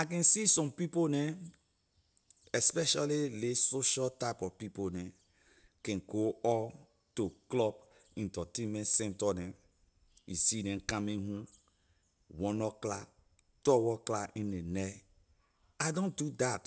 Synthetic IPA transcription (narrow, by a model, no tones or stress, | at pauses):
ak̬ɛ̃nsisɔ̃mpiponɛ | ɛspɛʃalilesoʃatapɔpiponɛ̃ | kɛ̃nɡoɔ | toklɔb̚ | ĩntɔtẽnmɛ̃ntsɛ̃ntɔnɛ | ḭsinɛ̃nkãmĩɦũ | wɔ̃nɔkla | tɔwɔklaĩnenɛ | adõndudat